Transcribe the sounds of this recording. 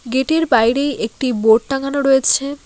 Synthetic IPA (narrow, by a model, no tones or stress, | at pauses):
ɡeʈeɾbajɾejʔek̚ʈiboʈ̚ʈaɡanoɾoet͡ɕʰe